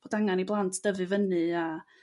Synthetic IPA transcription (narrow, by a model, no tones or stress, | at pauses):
b̥odaŋaniblˠantʰd̥əvɨvənɨa